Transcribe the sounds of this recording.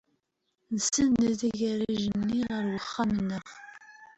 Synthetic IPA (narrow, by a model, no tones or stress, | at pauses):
nəsənːəðiʝæɾiʒənːiʁəɾwəχːamənːəχ